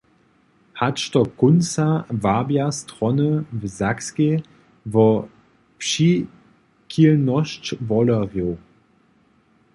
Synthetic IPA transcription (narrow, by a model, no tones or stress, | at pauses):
hatʃtɔkʊnsavabjastʁɔnəvəzakske | vɔ | pʃi | kʰilnɔʃt͡ʃvɔlɐʁjo